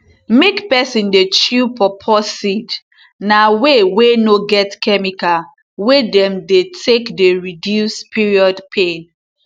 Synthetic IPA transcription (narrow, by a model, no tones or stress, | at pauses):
mekpɛsĩndet͡ʃupɔpʰɔsid | nawewenoɡɛtkɛmika | wedɛ̃mdetʰekdeɹidjuspʰiɹiɔdpʰen